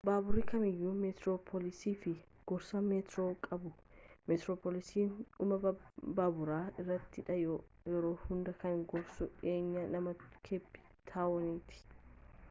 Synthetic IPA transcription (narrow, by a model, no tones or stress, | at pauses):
baːbʊɾikɐmɪjːumɛt̪ɾoːpʰɔlɪsiːfɪ | ɡ̥ɔɾsɐmeːt̪ɾoːkʼɐbʊ | mɛt̪ɾoːpoːlɪsiːnʊmɐbaːbʊɾaːɪrːɐt̪ːɪᶑɐ | jɛɾoːhʊnd̪ɐkɐmɡɔɾsʊᶑeːɲːɐnɐmɐkʰebːɪ̥ | t̪ʰaːwɔnɪt̪ɪ̥